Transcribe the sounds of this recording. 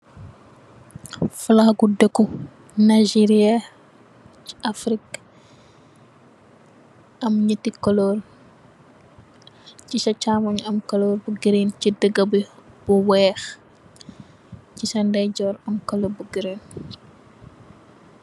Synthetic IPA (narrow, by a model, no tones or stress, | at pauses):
fulɐxɡudəkːu | naʒiɾiɐ | ciɐfɾik | ɐmɲətːikɔlɔɾ | cisɐt͡ʃaːmɐɲɐmkɐlɔːɾbuɡiɾencidəɡɐbi | b̥uwɛːx | cisɐndɛɟɔːɾɐmkɐlɔbuɡiɾen